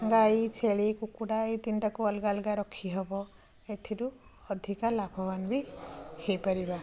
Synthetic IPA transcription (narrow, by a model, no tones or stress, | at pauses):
ŋɡajt͡ʃʰeɭikukuɽait̪inʈakuɔlɡalɡaɾɔkʰiɦɔbɔ | et̪ʰiɾu | ɔd̪ʱikalapʰɔbanbihejpaɾiba